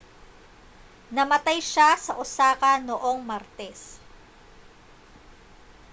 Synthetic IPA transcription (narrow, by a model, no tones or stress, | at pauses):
nɐmɐt̪ajʃasɐʔʊsaːkɐnoʔo̞ŋmɐɾt̪ɛs